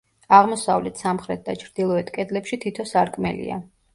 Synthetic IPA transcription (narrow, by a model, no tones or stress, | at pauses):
aʁmɔsavlɛt̪ʰsamχɾɛt̪̚d̪at͡ʃʰɾd̪ilˠɔɛt̪ʰkʼɛd̪lɛpʃit̪ʰit̪ʰɔsaɾkʰʼmɛ̰lḭa̰